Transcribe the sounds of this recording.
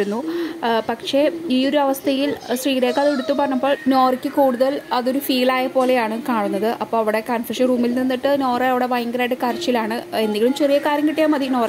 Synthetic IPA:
unːupɐkʂe̞iːo̞ɾuɐʋɐst̪ʰɐjilsriːɽeːkːɐðeɽut̪ːupɐrɐɲumbo̞ːɭno̞ːrikʲːɨkuːɽuðɐlɐðoɾufiːlaːjɐpo̞ːle̞jaːɳɨkaːɳunːɐðɨʔɐpːoːɐʋiɽe̞kɐnfɐʂɐnruːmilninːiʈːɨno̞ːrɐɐʋiɽeʋɐjŋɡɾaːɖɨkaːrɐt͡ɕːilaːɳɨe̞nd̪iŋɡɐɭumt͡ɕerijɐkaːrjɐŋkiʈːijaːmɐðino̞ː

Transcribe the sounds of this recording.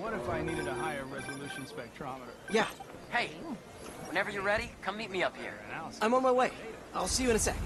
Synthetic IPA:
wʌɾɨfaɪniɾɨɾəɦaɪə˞ɹɛzəlʉʃn̩spɛk̚tʰɹ̥ɑməɾə˞jæ | heɪ | wə̃nɛvə˞jə˞ɹɛɾikʰʌ̃mːit̚miʌphḭɹãɪ̃mə̃nmaɪweɪaɪlˠsijɨɨ̃ñɨtsɛ

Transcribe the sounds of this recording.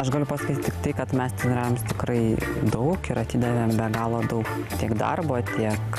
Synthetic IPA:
ɐʃɡɐlʲʊpɐsɐkʲit̪ʲt̪ʲːɪkt̪ɐɪkɐt̪mʲɛst̪ʲɪnɾʲɛːjomst̪ʲɪkɾɐɪd̪ɐʊkɪɾɐt̪ʲiːd̪ɐʋʲeːmbʲɛɡɑːlˠoːd̪ɐʊk | t̪ʲiɛkd̪ɐ̰rboːt̪ʲiɛk

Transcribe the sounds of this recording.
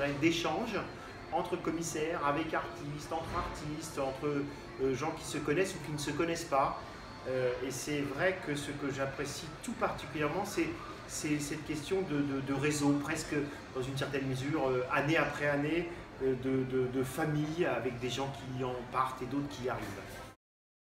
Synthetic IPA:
ʁɛd̪eʃɑ̃ʒ | ɑ̃t̪χəkɔmisɛʁavɛkaʁt̪ist̪ɑ̃t̪χaʁt̪ist̪ɑ̃t̪χə | ʒɑ̃kʲi̥səkɔnɛsukʲinəsəkɔnɛspa | øesɛvʁɛkəsəkəʒapχesit̪upaʁt̪ikʲyljɛʁmɑ̃sɛ | sɛsɛt̪kʲɛst̪jɔ̃d̪əd̪əd̪əʁezopχɛskə | d̪ɑ̃zyns̬ɛʁt̪ɛnməzyʁøaneapχɛane | d̪əd̪əd̪əfamijavɛk̚d̪eʒɑ̃kʲiɑ̃paʁt̪ed̪ot̪χə̥kʲiaʁiːv

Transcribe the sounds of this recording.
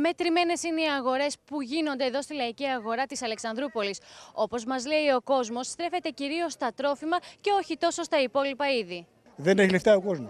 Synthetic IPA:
me̞t̪ɾime̞ne̞sineiɐɣo̞ɾe̞spuʝino̞nd̪eːðo̞st̪ilɐiciɐɣo̞ɾɐt̪isɐle̞ksɐnd̪ɾupo̞liso̞po̞zmɐzle̞io̞ko̞zmo̞sːt̪ɾe̞fe̞t̪e̞ciɾio̞st̪ɐt̪ɾo̞fimɐce̞o̞çit̪o̞so̞st̪ɐipo̞lipɐiði | ðeneçileft̪ɐoko̞zmos

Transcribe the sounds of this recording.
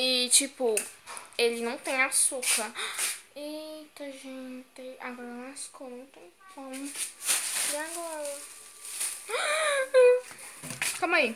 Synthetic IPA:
ɪt͡ʃipʊ | elɪnɐ̃w̃t̪ẽj̃asukɐ | ĩt̪ɐ̃ʒẽt̪ẽa̰ɡɔɾɐñasu̥konɐ̃w̃t̪ẽj̃pɐ̃w̃ | ɪaɡɔɾɐ | kõmɐi

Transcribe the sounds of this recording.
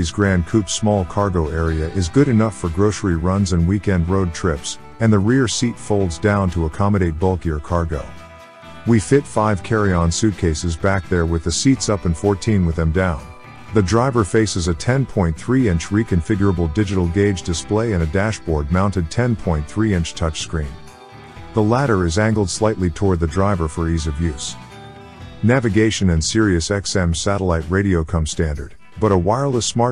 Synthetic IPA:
izɡɹæ̃nkʰʉpsmɔlˠkʰɑɹɡoʊɛɹiɨʔɪzɡʊɾɨnʌfə˞ɡɹoʊsə˞iɹʌ̃nzɨ̃nwikɛ̃nd̚ɹoʊd̚tʰɹ̥ɪps | ɨ̃nðɨɹɪɹsitfoʊlˠdzdãʊ̃ntʰəəkʰɑmɨɾeɪt̚b̥ʌlˠkɪɹkʰɑɹɡoʊ | wifɪtfaɪv̥kʰɛɹiɑ̃nsʉt̚kʰeɪsɨzbæk̚ðə˞wɨðɨsitsʌpɨ̃nfɔɹtʰĩnwɨðɨ̃mdãʊ̃n | ðɨdɹaɪvə˞feɪsɨzɨtʰɛ̃npʰɔ̃ɪ̃nθɹiɪ̃nt͡ʃɹikɨ̃ɱfɪɡjə˞əbl̩ˠdɪd͡ʒɨɾl̩ˠɡeɪd͡ʒdɨspleɪɨ̃nɨdæʃb̥ɔɹd̚mãʊ̃ntɨd̚tʰɛ̃npʰɔ̃ɪ̃nθɹiɪ̃nt͡ʃtʰʌt͡ʃskɹĩn | ðəlæɾə˞ɨzæ̃ŋɡl̩ˠd̥slaɪtˡlitʰɔɹd̪̚ðɨdɹaɪvə˞fə˞izʌvjʉz̥ | nævɨɡeɪʃɨ̃nɨ̃nsɪɹiɨsɛksɛ̃msæɾəlaɪt̚ɹeɪɾioʊkʰʌ̃mstæ̃ndə̰˞d̥̚ | b̥ʌɾəwaɪlˠəsmɑ

